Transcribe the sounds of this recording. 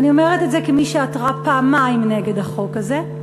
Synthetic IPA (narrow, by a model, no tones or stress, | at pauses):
nio̞meʁetetzekemiʃeatʁapaːmajmneɡe̞daχo̞kaze̞